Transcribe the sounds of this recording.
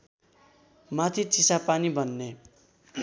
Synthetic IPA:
mat̪ʰit͡sisapanibʱʌnːe

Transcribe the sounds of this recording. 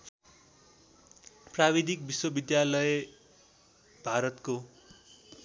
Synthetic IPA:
prabid̪ʱik̚biswʌbid̪jalʌj | bʱaɾʌt̪ko

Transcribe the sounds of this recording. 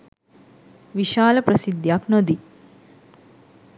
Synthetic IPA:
ʋiʃaːlɐpɾɐsid̪jaknod̪i

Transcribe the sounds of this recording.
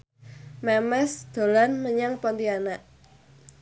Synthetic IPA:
mɛmɛsd̪̥o̤lanməɲaŋpɔnt̪ianaʔ

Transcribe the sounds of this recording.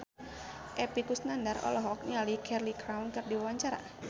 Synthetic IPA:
ʔɛpikʊsnandarɔ̰lɔɦɔk̚nialikʰɛrlikɾawnkɨrdiwawaɲt͡ʃaɾa̰

